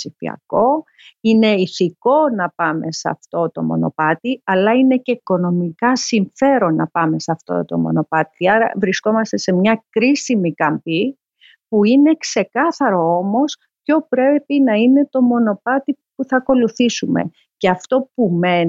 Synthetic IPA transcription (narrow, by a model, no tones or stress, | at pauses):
ifḭɐ̰ko̞ | ine̞iθiko̞nɐpɐme̞sɐ̰ft̪o̞t̪o̞̰mo̞̰no̞̰pɐt̪iɐlɐine̞ce̞iko̞no̞mikɐsiɱfe̞ɾo̞nːɐpɐme̞sɐft̪o̞̰t̪o̞̰mo̞̰no̞pɐt̪iɐɾɐ̰vɾisko̞mɐst̪e̞semɲɐkɾisimikɐmpi | puine̞kse̞kɐθɐɾo̞o̞mo̞s | pço̞pɾe̞pinɐine̞t̪o̞mo̞no̞pɐt̪i | puθɐko̞luθisumḛ | ce̞ɐft̪o̞pume̞n